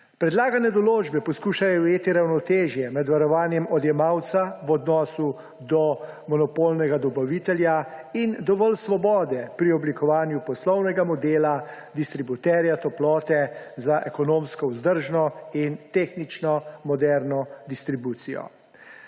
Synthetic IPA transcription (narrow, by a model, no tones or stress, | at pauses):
pɾɛd̪laːɡanɛd̪ɔloːd͡ʒbɛpɔskuːʃajɔujeːt̪iɾawnɔt̪eːʒjɛmɛd̪ʋaɾɔʋaːnjɛmɔd̪jɛmaːwt̪saʋɔd̪nɔːsu | d̪ɔ | mɔnɔpolnɛɡad̪ɔbaʋit̪ɛljaind̪ɔʋɔlsʋɔbɔːd̪ɛpɾiɔblikʰɔʋaːnjupɔslɔwnɛɡamɔd̪eːla | d̪ist̪ɾibut̪ɛɾjat̪ɔplɔːt̪ɛzaʔɛkɔnomskɔuzd̪əɾʒnɔint̪exnit͡ʃnɔmɔd̪ɛɾnɔd̪ist̪ɾibuːt̪sijɔ̰